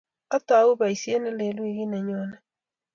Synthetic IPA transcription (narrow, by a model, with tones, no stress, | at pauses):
a˦ta˨u˦βa˨i˨se˦ne˦le˨lwi˦ɣi˦ne˨ɲo˦ne˦